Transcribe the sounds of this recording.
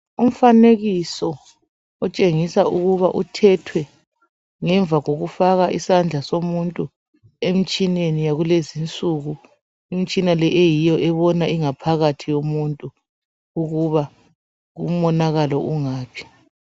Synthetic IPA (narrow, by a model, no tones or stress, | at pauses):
um̩faneɣisɔ | ɔt͡ʃʼeŋisauɣuβaʔutʰɛtʰwɛ | ŋɛɱvʱaɣoɣufaɣaʔisand͡ɮʱasomuntʼu | em̩t͡ʃʼinenijaɣulezint͡sʼuɣu | im̩t͡ʃʼinalɛʔejijɔʔɛβɔnaiŋapʰaɣatʰijomuntʼu | uɣuβa | ɣṵm̩ɔnaɣalɔʔuŋaːpʰi̥